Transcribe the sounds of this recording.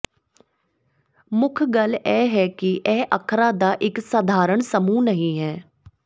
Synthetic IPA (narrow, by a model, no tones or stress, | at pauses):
mʊkʰɡəlɛːɦɛːkɪʔɛːʔəkʰɾaːd̪aːʔɪksəd̪ʱaːɾəɳsəmũːnəɦĩːɦɛː